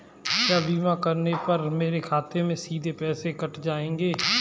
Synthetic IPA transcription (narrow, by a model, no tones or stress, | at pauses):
jaːbiːmãːkəɾnepəɾmeːɾekʰaːt̪emẽsiːd̪ʱeːpɛːsekəʈʰd͡ʒaːẽːŋɡeː